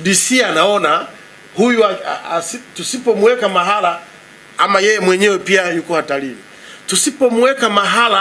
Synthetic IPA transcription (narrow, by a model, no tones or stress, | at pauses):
ɗisianaɔna | hujua̰asitusipɔmuwɛkamaɦala | amajɛjɛmwɛɲɛwɛpiajukɔwatalii | tusipɔmuwɛkamaɦala